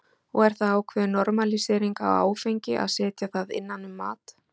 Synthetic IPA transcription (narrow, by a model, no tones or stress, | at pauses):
ɔɣɛɾ̥θaðːwkʰvɛðnɔɾmalisɛɾiŋka̰wa̰ːwfejɲcɪʔa̰ðsɛːt̪jaθaðɪ̰nːanːʏmːa̰ːt̪